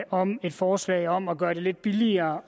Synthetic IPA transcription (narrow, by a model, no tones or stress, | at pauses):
ʔɒ̽me̝d̥fɒːslɛ̰ɪɒ̽m̰ɒ̽ɡ̥ɶːɐɾe̝le̝d̥̚b̥iliɐː